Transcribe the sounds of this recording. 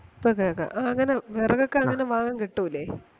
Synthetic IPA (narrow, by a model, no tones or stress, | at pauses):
pːokekːɐ̰ʔɐŋːɐneʋerɐɣokːeɐŋːɐneʋaːɣaːŋkiʈːuilːe